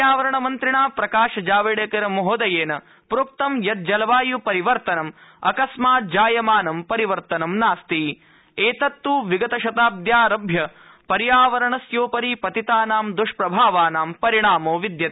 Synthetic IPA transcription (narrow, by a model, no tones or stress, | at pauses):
jaːʋɐɾɐɳɐmɐnt̪ɾiɳaːpɾɐkaːʃɐd͡ʒaːʋiɽekɐɾɐmoɦoːd̪ɐjeːnɐ | pɾuk̚t̪ɐmjɐt̪̚d͡ʒɐlɐʋaːjupɐɾiʋɐɾt̪ɐnɐmɐ̰kɐsmaːd͡ʒaːjɐmaːnɐmpɐɾiʋɐɾt̪ɐnɐmnaːst̪i | eːt̪ɐt̪ːuʋiɡɐt̪ɐʃɐt̪aːb̚d̪jaːɾɐbʱjɐ | pɐɾijaːʋɐɾɐɳɐsjoːpɐɾiːpɐt̪it̪aːnaːmd̪uʂpɾɐbʱaːʋaːnaːmpɐɾiɳaːmoːʋid̪jɐt̪